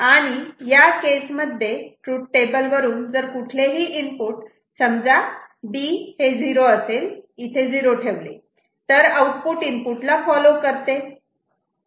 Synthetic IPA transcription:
aɽ̃ijakesməd̪ʱːjeʈɾuʈ̚ʈebəlʋəɾuːnd͡zəɾkuʈʰleɦiːʔimpuːʈ | səmd͡zaɖiːhed͡ziɾoəselit̪ʰed͡ziɾoʈʰeʋlḛ | t̪əɾəuʈpuːʈimpuʈlafɔlokəɾt̪e

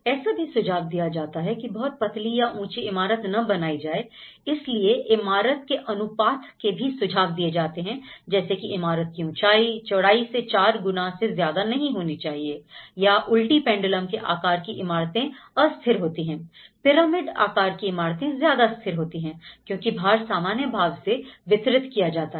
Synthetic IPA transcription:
ɛːsabʱisʊd͡ʒʱaːɡ̚d̪ijad͡ʒaːt̪aɦɛkibɐɦʊt̪̚pɐt̪lijaʔũːt͡ʃiɪmaːɾət̪nɐbɐnaːid͡ʒaːeɪslieʔɪmaːɾət̪̚keʔɐnʊpaːt̪ʰkebʱisʊd͡ʒʱaːʋd̪ied͡ʒaːt̪eɦɛ̃d͡ʒɛːsekiʔɪmaːɾət̪̚kiũːt͡ʃaːit͡ʃɐɽaːiset͡ʃaːɾɡʊnaːɦsezjaːd̪anɐɦĩɦoːnit͡ʃaːɦiejaʔʊlʈipɛ̃ːɳɖɪləmkeʔa̰ːkaːɾkiʔɪmaːɾt̪ẽɐst̪ʰɪɾɦoːt̪iɦɛ̃ːpɪɾaːmɪɖa̰ːkaːɾkiɪmaːɾt̪ẽzjaːd̪ast̪ʰɪɾɦoːt̪iɦɛ̃ːkjõːkibʱaːɾsaːmaːnjəbʱaːɡseʋɪt̪ɾɪt̪kijad͡ʒaːt̪aɦ

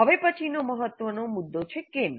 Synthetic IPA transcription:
ɦəʋepət͡ʃʰinoməɦət̪ʋənomud̪ːot͡ʃʰekem

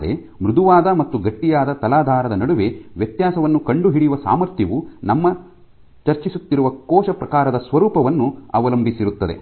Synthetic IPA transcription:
ḛ | mɾud̪ʱuʋaːd̪ɐmɐt̪ːuɡɐʈːijaːd̪ɐt̪ɐlaːd̪ʱaːɾɐd̪ɐnɐɽuʋe̞ʋjɐt̪jaːsɐʋɐnːukɐɳɖuɦiɽijuʋɐsa̰ːmɐɾt̪jɐʋunɐmːɐ | t͡ʃɐɾt͡ʃisut̪ːiɾuʋɐkɔːʃɐpɾɐkaːɾɐd̪ɐsʋɐɾuːpɐʋɐnːuɐ̰ʋɐlɐmbʱisiɾut̪ːɐd̪ḛ

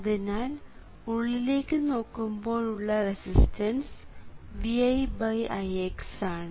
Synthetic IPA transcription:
ɐðinaːl | uɭːile̞ːkʲːɨno̞ːkːumbo̞ːɭuɭːɐresistʰɐnsʋiɐjbɐjʔɐjeksaːɳɨ

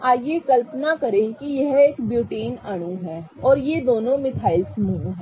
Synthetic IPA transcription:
aːjekɐlpnakɐɾẽkijɐɦeːkbjuːʈeːnɐɽ̃uɦɛːɔːɾjed̪oːnõmɪt̪ʰaːɪlsmuːnɦɛ

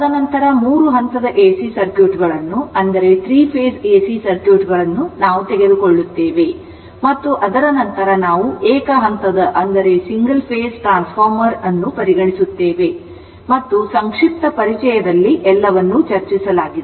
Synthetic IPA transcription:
ɐd̪ɐnɐnt̪ɐɾɐmuːɾuɦɐnt̪ɐd̪ɐʔeːsisɐɾkjuːʈɡɐɭɐnːuɐnd̪ɐɾe̞t̪ʰɾiːpʰeːseːsiːsɐɾkjuːʈɡɐɭɐnːunaːʋut̪eɡe̞d̪ukoɭːut̪ːeːʋe̞ | mɐt̪ːuʔɐd̪ɐɾɐnɐnt̪ɐɾɐnaːʋuʔɛːkɐɦɐnt̪ɐd̪ɐʔɐnd̪ɐɾe̞siŋɡɐlpʰeːsʈɾaːnspʰaːɾmɐɾɐnːupɐɾiɡɐɳisut̪ːeːʋe̞ | mɐt̪ːusɐŋkʂip̚t̪ɐpɐɾit͡ʃɛjɐd̪ɐlːiʔɛlːɐʋɐnːut͡ʃɐɾt͡ʃisɐlaːɡid̪e

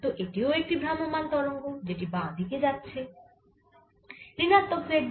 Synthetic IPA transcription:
t̪oʔeʈioek̚ʈibʱɾamomant̪ɔɾoŋɡod͡ʑeʈibãd̪ʱiked͡ʑatːʃʰe | ɾinat̪ːokseɖ

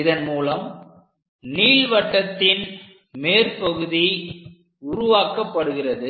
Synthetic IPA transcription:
ɪðɐnmuːlɐm | niːlʋɐʈːɐt̪ːɪn | meːrpɐɣɯði | ʊɾʊʋaːkɐpːɐɽɯɣɪrɐðɯ

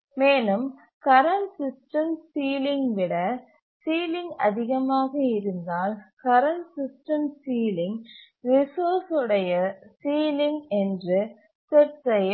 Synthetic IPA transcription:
meːlɯm | kɐɾɐnsɪsʈɐmsiːlɪŋɡʋɪɽɐ | siːlɪŋɡɐ̰ðɪɣɐmaːɣɐɪɾɯnd̪aːlkɐɾɐɳsɪsʈɐmsiːlɪŋ | ɾɪsoːsɯɽɐjɐsiːlɪŋɛndrɯ | sɛʈsɐjɐ

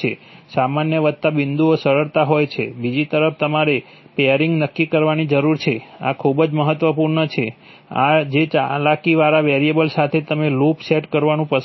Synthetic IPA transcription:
e | samanjəʋəd̪̚t̪abind̪uosəɾəɾt̪aɦojt͡ʃʰḛbid͡ʒit̪əɾəft̪əmaɾe | peəɾiŋɡnəkːikəɾʋanid͡ʒəɾuɾt͡ʃʰea̰kʰubd͡ʒməɦət̪ʋəpuɾɳət͡ʃʰe | a̰d͡ʒet͡ʃalakiʋaɾaʋeɾiebəlsat̪ʰet̪əmelopseʈkəɾʋanũpəs

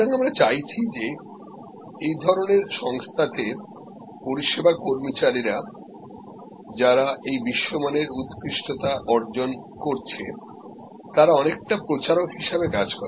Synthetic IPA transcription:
aŋamɾat͡ɕajt͡ɕʰid͡ʑe | ejd̪ʱɔɾoneɾʃɔŋst̪ʰat̪e | poɾiʃebʱakoɾmit͡ɕaɾiɾa | d͡ʑaɾaʔejbiʃːomaneɾut̪kɾiʃʈot̪aʔɔɾd͡ʑon | koɾt͡ɕʰe | t̪aɾaɔnek̚ʈapɾot͡ɕaɾokɦiʃabekad͡ʑkɔɾ

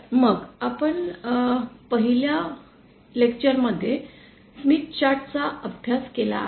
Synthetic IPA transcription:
məɡapəɳ | pəɦilja | lekt͡ɕəɾməd̪ʱːje | smit̪t͡ɕaʈt͡saəbʱjaskela̰

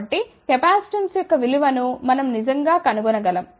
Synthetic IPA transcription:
ʈːik̪ɛpaːsʈɐnsjɔkːɐʋiluʋɐnumɐnɐmnid͡ʒɐŋɡaːkɐnuɡunɐɡɐlɐm

